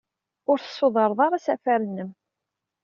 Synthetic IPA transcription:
ʊɾθə̥sˤːoðˤɑɾˤðˤɑɾˤasæfæɾənːəm

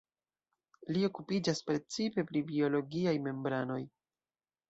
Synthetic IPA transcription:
lio̞kupid͡ʒaspɾe̞t͡sipe̞pɾibio̞lo̞ɡiajme̞mbɾano̞j

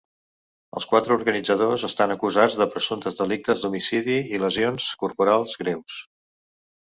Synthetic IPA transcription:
ə̰lˠskwat̪ɾəuɾɣənid͡zəð̞ozəst̪anəkuzad͡zðəpɾəsunt̪əzd̪əlik̚t̪əzd̪umisiðiiləzionskurpuɾalˠzɣɾews

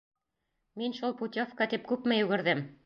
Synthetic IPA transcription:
minʃulˠput̪ʲofkɑt̪ip̚kʉpmɘjʉɡɘ̆ɾðɘm

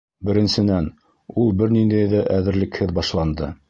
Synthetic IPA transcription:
bɘ̆ɾɘ̆nsɘ̆næn | ulˠbɘɾnind̪æjðæʔæðɘ̆ɾlɘ̆khɘðbɑʃlˠɑnd̪ɤ

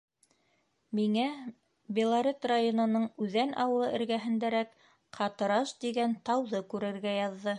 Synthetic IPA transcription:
miŋæ | bʲɪlˠaɾʲet̪rajonɤ̆nɤɴʉðænʔɑwɤ̆lˠɤɘ̆ɾɡæɦɘ̆nd̪æɾæk | qʰɑt̪ɤ̆ɾɑʃd̪iɡænt̪ɑwðɤkʉɾɘ̆ɾɡæjɑðːɤ

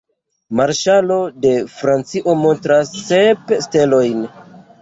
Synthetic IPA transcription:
maɾʃalo̞de̞fɾant͡siʔo̞mo̞ntɾasːepste̞lo̞jn

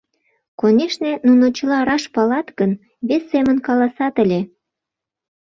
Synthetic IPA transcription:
konʲeʃnĕnunot͡ɕəlɑɾɑʃpɑlɑt̪ɡən | βesːemənkɑlɑsɑt̪əlʲe

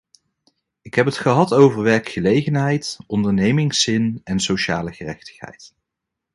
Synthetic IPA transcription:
ɪkɦɛpɦətχəɦɑtowvəɹʋɛɹkχəlejχənɦɛjtʔɔndəɹnejmɪŋsɪnɛnsowʃa̰ːləχərɛ̰χtə̥χɦɛ̰jt

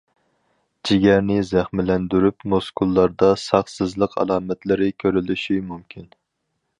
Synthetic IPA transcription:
d͡ʒʰiɡʲɛɾnɪzæχmɪlɛnd̪yɾypmoskʰulˠːɑɾd̪ɑsɑχsɨzlˠəqʰɑ̰lˠɑːmɛt̪lɪɾɪkʲʰøɾylyʃimumkʲʰin

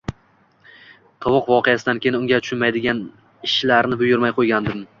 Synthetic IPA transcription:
t̪ʰɒwʊqvɒqʰejasɪd̪ankʲʰejɪnʊŋɡʲat̪ʰʊ̥ʃʊnmajd̪ɪɡʲan | ɪʃlaɾnɪbʊjʊɾmajqʰojɡʲand̪ɪm

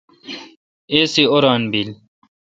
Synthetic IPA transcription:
eːsioɾɑːnbil

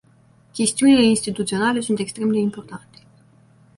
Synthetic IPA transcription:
kʲe̞st̪iunile̞inst̪it̪ut̪sio̞nale̞sunt̪e̞kst̪ɾe̞md̪e̞impo̞rt̪ant̪e̥

